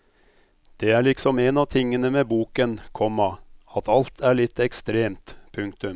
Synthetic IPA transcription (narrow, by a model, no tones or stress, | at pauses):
d̪̥ɛæɭɪksɔmenɑʋt̪ʰɪŋːənəmebuːkənkʰɔmːɑɑt̪ɑlt̪ʰæɭɪt̪ːɛkst̪ɾeːmt̪pʰʉŋkt̪ʉm